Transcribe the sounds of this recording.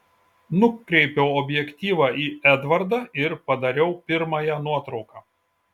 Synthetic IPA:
nʊkːɾʲɛɪpʲɛʊɔbʲjɛkt̪ʲiːʋɑːʔiːæd̪ʋɐɾd̪ɑɪɾpɐd̪ɐɾʲɛʊpʲɪɾmɐːjɛnuɔt̪ɾɒʊkɑː

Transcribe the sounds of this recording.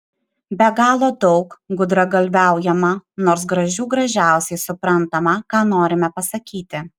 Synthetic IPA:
bʲɛɡɑːlˠoːd̪ɒʊkɡʊd̪ɾɐɡɐlʲʋʲæˑʊjɛmɐnoːɾs̬ɡɾɐʒʲuːɡɾɐʒʲæˑʊsʲɛɪsʊpɾɐnt̪ɐmɐkɑːnoːɾʲɪmʲɛpɐsɐkʲiːt̪ʲɪ

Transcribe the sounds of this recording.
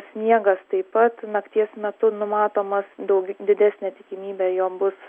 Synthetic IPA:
sʲnʲiɛɡɐst̪ɐɪpɐt̪nɐkt̪ʲiɛsmʲɛt̪ʊnʊmɑːt̪oːmɐsd̪ɐʊɡʲd̪ʲɪd̪ʲæːsʲnʲɛt̪ʲɪkʲɪmʲiːbʲɛjoːbʊs

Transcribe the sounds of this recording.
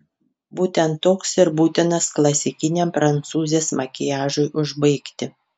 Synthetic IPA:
buːt̪ʲɛnt̪ːoːksɪɾbuːt̪ʲɪnɐsklˠɐsʲɪkʲɪnʲempɾɐnt̪suːzʲeːsmɐkʲɪjæːʒʊjʔʊʒbɐɪkt̪ʲɪ

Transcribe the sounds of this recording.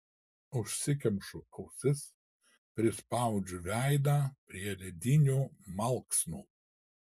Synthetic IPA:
ʊʃʲsʲɪkʲɛmʃʊkɐʊsʲɪs | pʲɾʲɪspɑˑʊd͡ʒʲʊʋʲæˑɪd̪ɑːpʲɾʲiɛɾʲɛd̪ʲɪnʲuːmɐlˠksnuː

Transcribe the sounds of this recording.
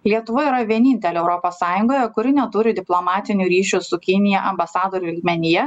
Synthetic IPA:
lʲiɛt̪ʊʋoiɾɐʋʲiɛnʲɪnʲt̪ʲɛlʲɛɛʊɾoːpoːssɑːjʊŋɡoːjɛkʊɾʲɪnʲɛt̪uɾʲɪd̪ʲɪplˠoːmɑːt̪ʲɪnʲuːɾʲiːʃʲʊsʊkʲɪnʲɪjɛʔɐmbɐsɑːd̪oːɾʲʊɪlʲɡʲmʲɛnʲɪjɛ

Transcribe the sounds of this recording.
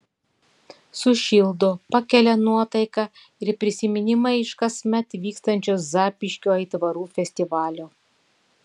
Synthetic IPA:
sʊʃʲɪlˠd̪opɐkʲɛlʲɛnuɔt̪ɐɪkɑ | ɪɾpʲɾʲɪsʲɪmʲɪnʲɪmɐɪʃkɐsʲmʲɛt̪ʋʲiːkst̪ɐnʲt͡ʃʲoːszɑːpʲɪʃʲkʲoːiːt̪ʋɐɾuːfʲɛsʲt̪ʲɪʋɑːlʲoː

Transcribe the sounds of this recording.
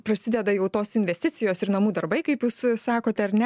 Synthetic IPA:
pɾɐsʲɪd̪ʲɛd̪ɐjɛʊt̪oːsɪnʲʋʲɛsʲt̪ʲɪt̪sʲɪjoːsɪɾnɐmuːd̪ɐɾbɐɪkɐɪpjuːssɑːkoːt̪ʲɛɐɾnʲɛ

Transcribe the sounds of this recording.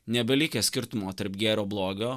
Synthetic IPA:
nʲɛbʲɛlʲɪkʲesʲkʲɪɾt̪ʊmoːt̪ɐɾpɡʲæːɾʲoːblˠoːɡʲoː

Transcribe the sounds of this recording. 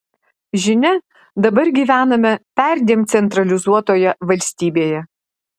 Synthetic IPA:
ʒʲɪnʲɛ | d̪ɐbɐɾɡʲiːʋʲæːnɐmʲɛpʲæˑɾʲd̪ʲeːmt̪sʲɛnt̪ɾɐlʲɪzuɔt̪oːjɛʋɐlʲsʲt̪ʲiːbʲeːjɛ

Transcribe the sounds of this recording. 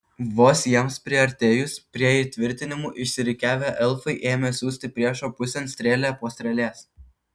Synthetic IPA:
ʋoːsʲjiɛmspʲɾʲiɛɐɾʲt̪ʲeːjʊspʲɾʲiɛit̪ʲʋʲɪɾʲt̪ʲɪnʲɪmuːʔɪʃʲsʲɪɾʲɪkʲæːʋʲæːʔɛlˠfɐɪʔeːmʲɛːsʲuːsʲt̪ʲɪpʲɾʲiɛʃoːpʊsʲɛnsʲt̪ʲɾʲeːlʲeːpoːsʲt̪ʲɾʲɛlʲeːs

